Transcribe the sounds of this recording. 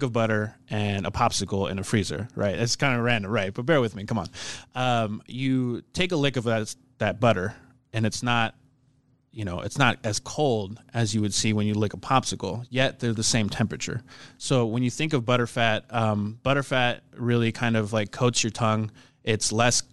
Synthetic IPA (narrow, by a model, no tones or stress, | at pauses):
kʌvbʌɾə˞ʔɨ̃nʔə̰pʰɑpsɨkl̩ˠɨ̰̃nɨfɹizə̰˞ɹʔa̰ɪt̚ɨtskʰãɪ̃ndəɹæ̃ndɨɹaɪt̚b̥ʌt̚b̥ɛɹwɨðmikʰʌ̃mə̰̃nʔʌ̃mjɨtʰeɪkəlɪkʌvðɨt | ðɨt̚b̥ʌɾə˞ | ɨ̃nɨtsnət̚ | jɨñoʊʔɨtsnət̚ɨz̥kʰoʊlˠdɨzjɨwɨd̥siwɨ̃njɨlɪkəpʰɑpsɨkl̩ˠjɛt̪̚ðə˞zðɨsẽɪ̃mtʰɛ̃mpɹɨt͡ʃə̰˞soʊwə̃njɨθɪ̃ŋkʌvbʌɾə˞fæt̚ʌ̃mb̥ʌɾə˞fæt̚ɹɪlˠikʰãɪ̃ndʌvlaɪkʰoʊtsjə˞tʰʌ̃ŋ | ɪtslɛs